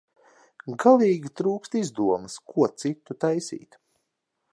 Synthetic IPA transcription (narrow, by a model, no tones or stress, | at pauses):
ɡalˠiːɡʲit̪ɾuːkst̪izd̪uɔmskʰuɔt̪sit̪ːut̪ajsḭːt̪